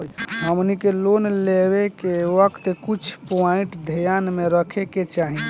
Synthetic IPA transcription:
ɦəmnikelonleβekewəkt̪kut͡ʃʰpoiʈd̪ʱijanmeɾəkʰeket͡ʃaɦi

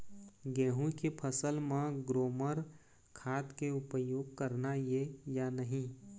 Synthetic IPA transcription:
ɡɛːɦũkepʰəsəlmãɡɾoːməɾ | kʰaːt̪keʊpəjoːɡ̚kɐɾnajejanəɦĩ

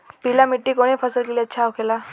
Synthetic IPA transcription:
pilamiʈːikoɽ̃iːpʰəsəlkeliətːɕʰawkʰela

